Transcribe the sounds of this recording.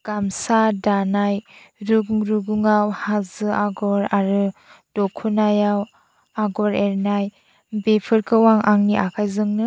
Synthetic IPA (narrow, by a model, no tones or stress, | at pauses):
ɡ̥amsadanaj | ɾuɡuŋɾuɡuŋawhazɯʔaɡɔɾaɾɯd̥ɔkʰunajaw | aɡɔɾeɾnaj | bepʰɯɾkʰɯwaŋʔaŋniʔakʰajzɯŋnɯ